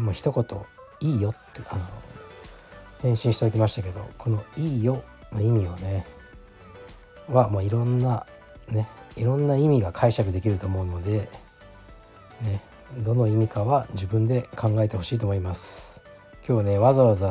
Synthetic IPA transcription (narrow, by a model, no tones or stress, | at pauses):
moːçi̥t̪o̞ko̞t̪o̞̰ | iːjo̞t̪ːeʔano̰ | hẽ̞ɰ̃ɕĩɕi̥t̪ad̪okʲimaɕi̥t̪ake̞d̪o̞̰kʰo̞no̞iːjo̞ | noimʲione | βamoːiɾõ̞nːa | ne̞iɾõ̞nːaimʲiɡakʰaiɕakɯ̟d̪e̞kʲiɾɯ̟t̪o̞ːmo̞ɯ̟no̞d̪e̞ | ne̞ | d̪o̞no̞imʲikaβad͡ʑibɯ̟̃nd̪e̞kʰãŋɡae̞t̪e̞ho̞ɕiːt̪omoimasɨ̥ | kʲo̞ːβne̞βazaβaza